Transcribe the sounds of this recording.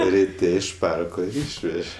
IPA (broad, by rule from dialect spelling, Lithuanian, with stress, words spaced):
rʲɪˈtʲɛ ɪʃ ˈpɐrkoː ɪr ˈiːʃʲʋʲɛʒʲɛ